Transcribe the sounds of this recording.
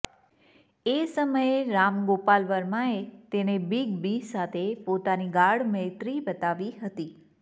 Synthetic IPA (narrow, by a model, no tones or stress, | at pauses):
esəməjeɾamɡopalʋəɾmãet̪enebiɡbisat̪ʰepot̪aniɡaɽmət̪ɾibət̪aʋiɦət̪i